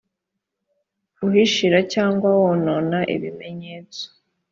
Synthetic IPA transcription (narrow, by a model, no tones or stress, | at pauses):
uɦiʃiɾacaːŋɡwawononaʔḭβime̞ɲet͡so̥